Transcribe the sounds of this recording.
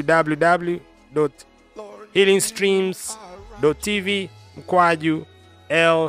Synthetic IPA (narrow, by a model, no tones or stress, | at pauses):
udabljudablju | dɔt | hilĩŋstɹĩmsdɔtʰːivim̩kwad͡ʒu | ɛl